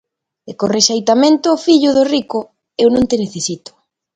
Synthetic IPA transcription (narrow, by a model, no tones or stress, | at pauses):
ekoreʃejt̪amẽnt̪ʊːfiʎʊðʊrikʊ | ewnõŋt̪eneθesit̪ʊ̥